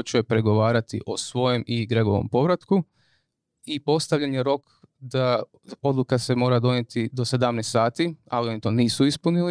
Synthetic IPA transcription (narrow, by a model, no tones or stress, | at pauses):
ot͡ʃuepɾe̞ɡo̞ʋaːɾat̪ḭʔo̞sʋo̞je̞miɡɾeɡo̞̰ʋo̰mpo̞ʋɾat̪ku | ipo̞st̪aʋʎanjeɾo̞k | d̪a | o̞d̪lukase̞mo̞ːɾad̪o̞ɲet̪id̪o̞sed̪amnest̪saːt̪iawonit̪oniːsuispunili